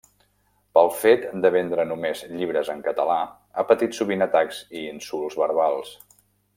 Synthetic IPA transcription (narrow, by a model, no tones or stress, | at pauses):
pəlˠfet̪d̪əβɛnd̪ɾənumezʎiβɾəzəŋkət̪əla | apət̪it̪suβinət̪akz̥iinsulˠzβəɾβalˠs